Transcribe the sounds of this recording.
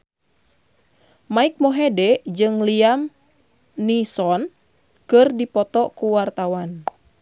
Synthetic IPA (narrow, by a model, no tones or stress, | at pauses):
maik̚mɔɦɛdɛd͡ʒɨŋliam | nisɔn | kɨrdipɔt̪ɔkuwart̪awan